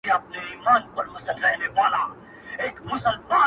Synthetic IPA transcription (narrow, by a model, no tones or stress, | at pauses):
eɐp̚neiːmaːnpɐɾmʊsəlːəɦneʋaːla | eːkmʊsəlmãː